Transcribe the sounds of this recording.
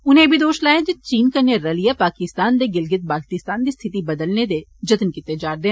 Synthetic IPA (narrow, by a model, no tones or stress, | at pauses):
ʊnɦẽbʱid̪oːʃlaːẽd͡ʒet͡ʃiːnkɐnjeɾɐlijapaːkɪst̪aːnd̪eɡɪlɡɪt̪̚baːlt̪ɪst̪aːnd̪ist̪ʰɪt̪ibɐd̪əlned̪eːd͡ʒɐt̪nkit̪ed͡ʒaːɾd̪ẽː